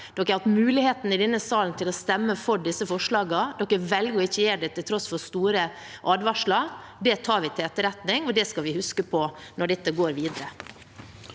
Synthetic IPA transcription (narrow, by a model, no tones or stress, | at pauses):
d̪̥ɔkːæɪɾhɑt̪mʉːlɪheːt̪n̩ɪd̪ɛnːəsɑːlən̩t̪ʰɪlɔst̪ɛmːəfɔɖɪsːəfɔʂɭɑːɡɑd̪ɔkːəʋɛlɡəɔɪçːəjeːɖɛt̪ʰɪlt̪ʰɾɔsfɔɾst̪uːɾə | ʔɑːd̪ʋɑʂɭɑ | d̪ɛt̪ʰɑːɾʋɪt̪ʰɛt̪ːəɾɛt̪nɪŋɔd̪ɛskɑlʋɪhʉskəpʰɔnɔɖɛt̪ːəɡoːɾʋiːd̪əɾə